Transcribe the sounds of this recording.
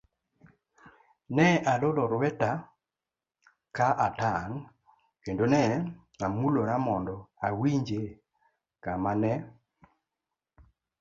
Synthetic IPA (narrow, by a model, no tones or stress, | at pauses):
nɛʔadolɔɾwɛta | kaʔataŋ | kendonɛ | amuloɾamɔndɔawiɲd͡ʒe | kamanɛ